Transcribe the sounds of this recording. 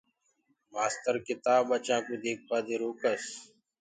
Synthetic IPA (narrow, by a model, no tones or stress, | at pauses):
maːst̪əɾkɪt̪aːbət͡ʃãːkuːd̪eːk̚ʰpaːd̪eːɾoːkəs